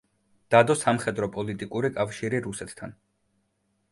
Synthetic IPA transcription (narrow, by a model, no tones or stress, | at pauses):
d̪̥ad̪ɔsamχɛd̪ɾɔpʼɔlit̪ʼikʼuɾikʼafʃiɾiɾusɛt̪ʰt̪ʰan